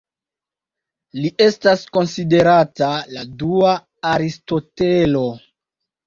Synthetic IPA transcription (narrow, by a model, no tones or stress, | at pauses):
liʔe̞stasko̞nside̞ɾataladuaː | ɾisto̞telo̞